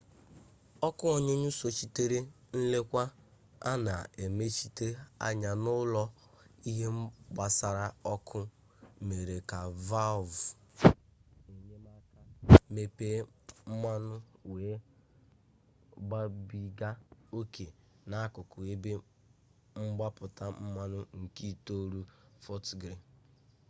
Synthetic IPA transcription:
ɔ˦kʊ˦ɔ˨ɲʊ˦ɲu˦so˨t͡ʃi˦te˦ɾe˦ | n̩˦le˦kʷa˦ | a˦na̰˨e˨me˦t͡ʃi˦te˦a̰˦ɲa˨nʊ˦lɔ˦ | i˦ɦe˦m̩˦ɡ͡ba˨sa˨ɾa˦ɔ˦kʰʊ˦ | me˨ɾe˨ka˨va˦˨vʊ˨ | e˨ɲe˦ma˦ka˦me˨pe˦m̩˦ma˦nʊ˦weː˨˦ | ɡ͡ba˦bi˦ɡa˦o˦ke˨ | na˨˦kʊ˨kʊ˨e˦be˦ | ŋ͡m̩˦ɡ͡ba˦pʊ˨ta˦m̩˦ma˦nʊ˦ŋ̩˨ki˦˨to˦ɾu˦fɔ˦tɡɾi˨

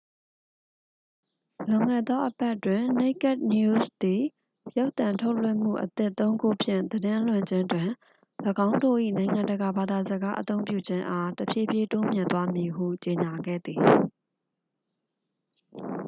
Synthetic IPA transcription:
lʊ̃˨ŋɛ̰˦˨d̪ɔ˦ʔəpa˦ʔtwɪ̃˨ne˦ɪkɛ˦˨t̚nju˦sd̪i˨ | jo˦ʊt̪ã˨ntʰo˦ʊlwɪ̰̃˦˨m̥ṵ˦˨ʔət̪ɪ˦ʔt̪ːõ˦ʊ̃ŋɡo˦pʰjɪ̰̃˦˨nd̪ədɪ̃˦ʔl̥wɪ̃˨ɲd͡ʑɪ̃˦ndwɪ̃˨ | lə˨ɡã˦ʊ̃ndo̰˦˨ʔḭ˦˨nã˨ɪ̃ŋã˨ndəɡa˨ba˨d̪a˨zəɡa˦ʔət̪õ˦ʊ̃mpjṵ˦˨d͡ʑɪ̃˦ʔa˦təpʰjḛ˦˨pje˦to˦mjɪ̃˨nt̪wa˦mji˨ɦṵ˦˨t͡ɕe˨ɲa˨ɡɛ̰˦˨d̪i˨

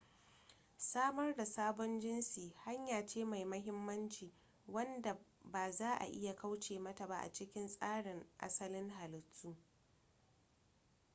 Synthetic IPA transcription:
saː˦mɐ˦rda˨saː˦bɔ˦nd͡ʒɪ˦nsiː˨ha˦ɲjaː˨t͡ʃeː˦ma˨jmɐ˦ɦɪ˦mːɐ˦nt͡ʃiː˨ | wɐ˦nda˨ | baː˨zaː˦ʔa̰˨ʔɪ̰˦ja˨ka˦wt͡ʃeː˨mɐ˦ta˨ba˦ʔa̰˨t͡ʃɪ˦kʲɪ˦nsʼaː˦ɽɪ˨ŋʔa̰˦sɐ˦lɪ˦ŋɦa˨lɪ˨tːuː˦

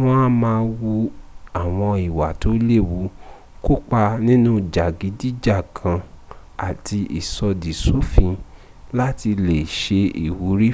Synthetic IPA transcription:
w̃ɔ̃˧a˦mãː˧wu˧a˨w̃ɔ̃˧i˨wa˨to˨˦le˦˨wu˨˦ | ko˦k͡pa˧nĩ˦nũ˦d͡ʒa˨ɡi˨˦di˦d͡ʒa˦˨kʰã˧ | a˨tʰi˧ḭ˨sɔ˧di˨so˨˦fĩ˧ | la˦ti˧le˨ʃe˧i˨wu˨˦ɾi˦

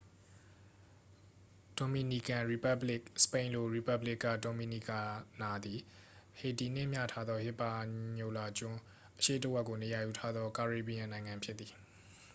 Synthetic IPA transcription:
d̥o˨mi˨ni˨kã˨ɹi˨pa˦blɪ˦˨ksə̥pẽ˨ɪ̃nlo̰˦˨ɹi˨pa˦blɪ˦˨kːa̰˦˨do˨mi˨ni˨ka˨na˨d̪i˨ | he˨ti˨n̥ɪ̰̃˦˨m̥ja̰˦˨tʰa˦d̪ðɔ˦hɪ˦˨pːa˨ɲo˨la˨t͡ɕʊ̃˦ | ʔəʃḛ˦˨təʔwɛ˦ʔkːo˨ne˨ja˨ju˨tʰa˦d̪ðɔ˦ka˨ɹe˨bi˨ã˨nã˨ɪ̃ŋã˨mpʰjɪ˦ʔ̪̚t̪ːi˨

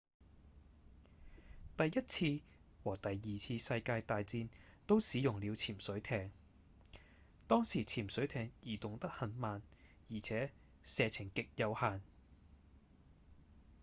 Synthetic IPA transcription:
t̪ɐ˨jjɐ˥t̚t͡sʰiː˧ | wɔː˨˩t̪ɐ˨jːiː˨t͡sʰiː˧sɐ˧jkaː˧jt̪aː˨jt͡siː˧nt̪o˥wsiː˨˥jʊ˨ŋliː˨˧wt͡sʰiː˨˩msɵ˨˥ɥt̪ʰɛː˧ŋ | t̪ɔː˥ŋsiː˨˩t͡sʰiː˨˩msɵ˨˥ɥt̪ʰɛː˧ŋjiː˨˩t̪ʊ˨ŋt̪ɐ˥k̚hɐ˨˧nmaː˨n | jiː˨˩t͡sʰɛː˨˥ | sɛː˨˧t͡sʰɪ˨˩ŋkɪ˨k̚jɐ˨˧whaː˨n

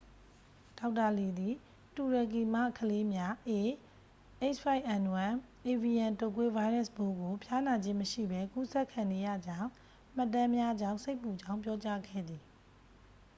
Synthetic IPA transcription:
d̥a˨˦ʊtːa˨li˨d̪i˨ | tu˨ɹa˨k̬i˨ma̰˦˨kʰəle˦mja˦ʔe˨ | ʔe˦t͡ʃʰpa˦ɪʔã˨nu˨ã˨ | ʔe˨vi˨jã˨nto˦˨kwe˦va˦ɪɹa˦sbo˦ɡo˨pʰja˦na˨d͡ʑɪ̃˦˨məʃḭ˦˨bɛ˦ku˦sɛ˦ʔkʰã˨ne˨ja̰˦˨d͡ʑã˦˨ʊ̃ | m̥ə˦tã˦mja˦d͡ʑã˦ʊ̃se˦ɪpːu˨d͡ʑã˦ʊ̃mp̬jɔ˦t͡ɕa˦ɡɛ̰˦˨d̪ði˨

